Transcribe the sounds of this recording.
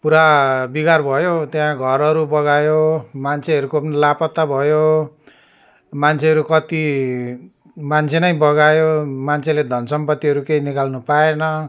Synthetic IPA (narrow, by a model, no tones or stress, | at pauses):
puɾabiɡarbʱʌjot̪jaãɡʱʌɾʌɾubʌɡajomant͡sʰeɦʌɾukopnlapʌt̪ːabʱʌjo | mant͡sʰeɦʌɾukʌt̪i | mant͡sʰenʌjbʌɡajomant͡sʰeled̪ʱʌnsʌmpʌt̪ːiɦʌɾukeinikalnupaenʌ